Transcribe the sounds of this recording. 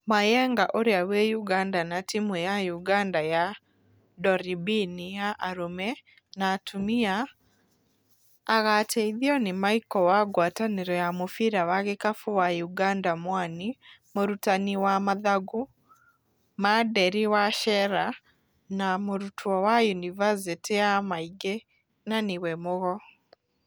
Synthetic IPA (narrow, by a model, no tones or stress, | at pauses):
majɛŋɡaʔoɾeawɛjuɡandanatimujajuɡandaja | dɔɾibinijaʔaɾomɛ | naːtʰumia | ɣatʰɛiðiɔnemaikɔwaɡwataneɾɔjamofiɾawaɣekafuwajuɡandamwanimoɾutaniwamaðaɡu | madɛɾiwaʃɛɾa | namoɾutʰwɔwajunivasitijamaiɡe | naniwɛmoɣɔ